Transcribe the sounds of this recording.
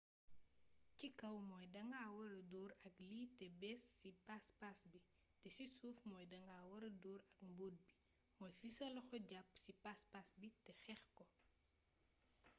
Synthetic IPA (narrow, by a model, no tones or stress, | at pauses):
cikɐwmɔːjdɐŋɡaːwɐɾɐdɔːɾɐkliːtɛbɛsːipaspasbi | tɛsisuːfmɔːjdɐŋaːwɐɾɐdɔːɾɐkmboːd̚bi | mɔːjfisɐlɐxɔɟɐpːsipaspasbitɛxɛxkɔ